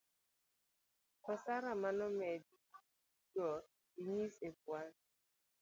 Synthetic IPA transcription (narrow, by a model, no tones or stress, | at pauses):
kɔsaɾamanɔmɛdi | dɔ | iɲisekwal